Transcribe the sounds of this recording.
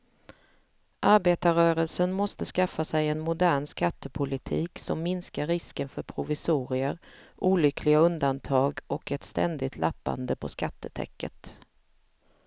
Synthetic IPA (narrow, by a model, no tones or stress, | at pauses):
ʔaɾbeːt̪aɾœːɾəlsənmɔst̪əskafːasɛjɛnmʊd̪æːɳskat̪ːəpʰʊlɪt̪ʰiːksɔmːɪnskaɾːɪskənfœɾpʰɾʊvɪsuːɾɪəɾʔuːlʏkʰlɪɡaɵnd̪ant̪ʰɑːɡʔɔkɛt̪st̪ɛ̰nd̪ɪt̪ʰlʔapːa̰nd̪əpʰɔskat̪ːət̪ʰɛ̰kʰːə̰t̪